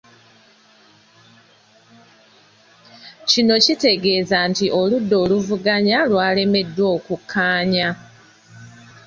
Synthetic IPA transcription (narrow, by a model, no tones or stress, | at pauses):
cino̞cite̞ɡe̞ːzantiʔo̞ludːo̞ːluvuɡaɲalwaːle̞me̞dːwo̞ːkukʰːaːɲa